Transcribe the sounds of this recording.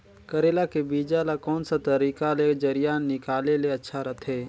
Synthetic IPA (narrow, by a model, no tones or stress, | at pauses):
kəɾeːlakebiːd͡ʒalakɔːnsat̪əɾiːkaled͡ʒəɾijaːnːɪkaːleleɐtːʃʰaɾɐt̪ʰɦeː